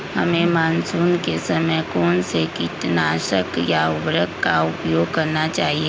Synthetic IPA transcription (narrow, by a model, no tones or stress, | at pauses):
hɐmẽmaːnsuːnkesɐməkɔːnsekɪt̪naːʃəkjaʊbɾəkkaʊpjoːɡ̚kɐɾnat͡ʃaːɦieː